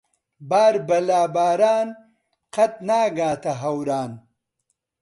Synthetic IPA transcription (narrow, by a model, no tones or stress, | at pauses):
baːɾbɐlaːbaːɾaːn | qɐt̪̚naːɡaːt̪ɐɦɐwɾaːn